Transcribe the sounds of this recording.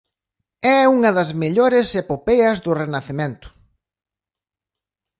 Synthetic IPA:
ɛuŋɐðɐzmeʎoɾɪsepopeɐzðʊrenaθemẽnt̪ʊ̥

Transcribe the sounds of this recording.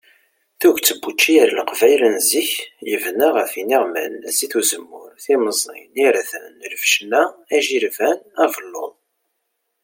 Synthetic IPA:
θuʝt͡sːəbːut͡ʃːiəɾlqvæjlənziçjəvnaʁəfiniʁmæ̰næsiθuzəmːʊɾθiməzˤḭniɾæθənləvʃnææʒiɾvænævəlːo̰ðˤ

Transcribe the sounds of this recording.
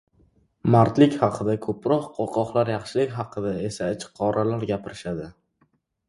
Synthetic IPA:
maɾt̪lɪkʲχɑqʰɨd̪akʰɵpɾɒqqʰoqʰɒqlˠaɾjɑχʃɪlɪkʲɦɑqʰɨd̪ae̞saɪt͡ʃqʰːɒɾʔalaɾɡʲapʰɪɾɪʃad̪ɪ

